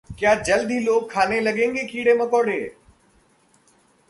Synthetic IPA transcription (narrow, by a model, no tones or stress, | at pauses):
kjaːd͡ʒəld̪ʱiːloːkʰːaːnelɐɠẽːŋɡekiːɽemɐkoːɽeː